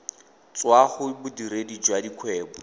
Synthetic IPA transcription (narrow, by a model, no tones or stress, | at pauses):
t͡swaχʊbʊdiɾedid͡ʒwadikʰwɛːbɔ